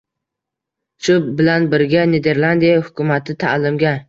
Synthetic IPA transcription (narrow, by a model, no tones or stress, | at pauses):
ʃʊbɪlanbɪɾɡʲaned̪e̞ɾlˠand̪ijahʊkʲʰʊmat̪ʰɪt̪ʰa̰lɪmɡʲa